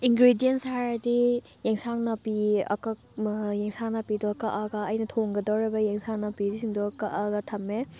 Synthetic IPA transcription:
iŋɡɾidienshaɾdi | jeŋsaŋnɐpiɐ̰ka | jeŋsaŋnɐpidɔkaʔaɡɐːjnɐtʰoŋɡɐdawɾebɐjeŋsaŋnɐpidisiŋdɔkaʔaɡɐtʰɐmːe

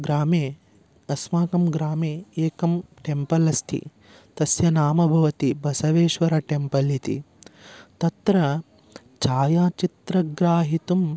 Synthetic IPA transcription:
ɡɾaːmeː | ɐsmaːkɐmɡɾaːmeːeːkɐmʈempɐlɐst̪ʰḭ | t̪ɐsjɐnaːmɐbʱɐʋɐt̪ibɐsɐʋeːʃʋɐɾɐʈempɐlit̪ḭ | t̪ɐt̪ɾɐ | t͡ʃaːjaːt͡ʃit̪ɾɐɡɾaːɦit̪um

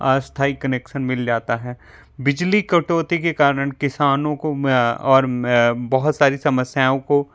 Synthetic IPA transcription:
ast̪ʰaːikɐneːkʃənmɪld͡ʒaːt̪aɦɛː | bɪd͡ʒlikɐʈoːt̪ikekaːɾəɽ̃kɪsaːnõkoɔːɾbɐɦʊt̪saːɾisɐməsjaːõko

